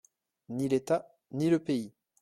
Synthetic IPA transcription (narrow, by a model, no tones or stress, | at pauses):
nilet̪a | niləpei